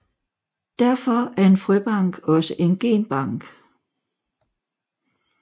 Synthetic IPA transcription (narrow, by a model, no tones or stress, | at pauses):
d̥æɐ̰fɒæɐe̝nfʁyb̥ɑ̈ŋ̰ɡ̥ɒ̽səʔe̝nɡ̥e̝̰ːnb̥ɑ̈ŋ̰ɡ̥